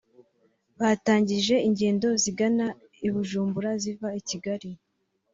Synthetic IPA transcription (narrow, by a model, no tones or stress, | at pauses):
βaːtaːɲɟiʒe̞iɲɟe̞ːndo̞ziɡana | iβuʒuːmbuɾazivaiciɡaɾi